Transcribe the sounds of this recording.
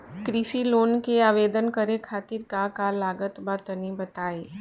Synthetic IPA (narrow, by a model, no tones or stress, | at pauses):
kɾisiloːnkeaːʋeːd̪ənkəɾekʰaːt̪ɪɾkakalaːɡət̪bat̪ənibɐt̪aːeː